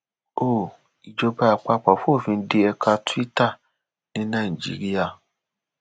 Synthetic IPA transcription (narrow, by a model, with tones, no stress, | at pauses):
o˦˨ | i˨d͡ʒo˧ba˧a˨k͡pa˧k͡pɔ˨fu˦o˦˨fĩ˧˦de˧ɛ˧kʰa˧tu˦i˦ta˦˨ | nĩ˦nã˦˨i˨d͡ʒḭ˨˦ɾi˦a˦˨